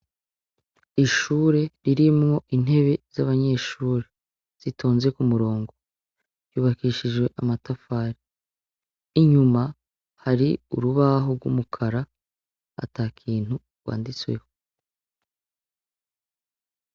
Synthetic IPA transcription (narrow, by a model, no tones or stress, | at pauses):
iʃuːɾe̞ɾiɾimŋo̞ʔin̥e̞βe̞z̥aβaɲe̞ʃuːɾe̞ | z̥itʰo̞ːnze̞kumuɾo̞ːŋɡo̞ | juːβakiʃiʒwe̞ʔamatafaːɾi | ɲuma | haɾiṵɾuβaɦoɾɡwṵmukʰaɾa | a̰taːkʰiːn̥hu | ɾɡwa̰ːndit͡swe̞̰ho